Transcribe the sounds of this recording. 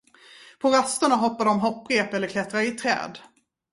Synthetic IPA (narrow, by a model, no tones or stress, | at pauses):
pʰɔɾast̪ʊɳaɦɔpːaɖɔmɦɔpːɾeːpɛlːəɾkʰlɛt̪ɾaɾɪt̪ʰɾɛ̰ːd̪